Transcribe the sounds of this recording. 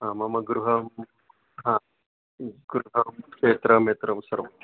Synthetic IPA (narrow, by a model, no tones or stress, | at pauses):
ɦãːmɐmɐɡɾuɦɐ | ɦã | ɡɾuɦɐeːt̪ɾɐmeːt̪ɾɐusɐɾɐm